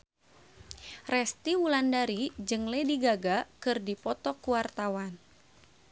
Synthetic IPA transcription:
rɛst̪iwulandaɾid͡ʒɨŋlediɡaɡakɨrdipɔt̪ɔkuwart̪awan

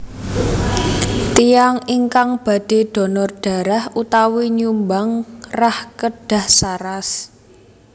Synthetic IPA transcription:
t̪ijaŋiŋkaŋb̥a̤d̪̥e̤d̥ɔ̤nɔrɖ̥a̤ɾahut̪awiɲumbaŋrahkəɖ̥a̤hsaɾas

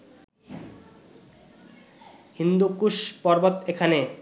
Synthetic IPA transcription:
hind̪ukuʃpɔɾbot̪ekʰane

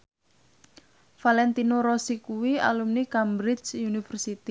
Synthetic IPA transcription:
falɛnt̪inoɾɔsikuwia̰lumnikambɾɪt͡ʃunifərsit̪i

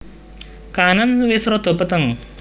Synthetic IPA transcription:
kananwɪsɾɔd̪̥ɔ̤pət̪əŋ

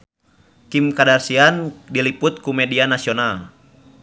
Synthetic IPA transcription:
kimkadarsiandiliput̪̚kumɛdianasiɔnal

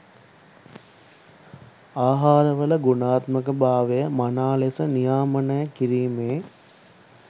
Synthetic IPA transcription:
aːɦaːɾəʋələɡunaːt̪məkəbaːʋejəmanaːlesənijaːmənəjəkiɾiːmeː

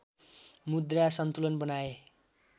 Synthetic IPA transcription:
mud̪rasʌnt̪ulʌnbʌnae

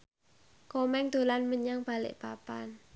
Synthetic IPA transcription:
komɛŋd̪̥o̤lanməɲaŋb̥a̤lɪ̰ʔb̥apa̰n

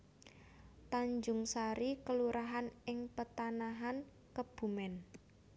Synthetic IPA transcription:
t̪aɲd͡ʒʊŋsaɾikəluɾʔaɦanɪŋpət̪anaɦan | kəb̥ṳmɛn

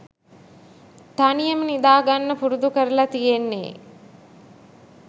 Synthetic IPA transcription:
t̪anijəmənid̪aːɡanːəpuɾud̪ukəɾəlat̪ijenːḛː

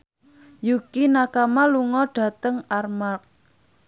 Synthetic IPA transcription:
jukinakamaluŋɔɖ̥ä̤t̪əŋarmak̚

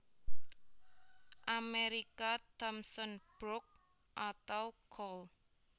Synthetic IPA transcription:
ʔameɾikat̪ɔmsɔnb̥ɾʊk̚ | ʔat̪awkʰɔl

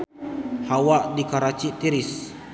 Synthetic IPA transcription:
hawaʔdikaɾat͡ʃiʔt̪iɾis

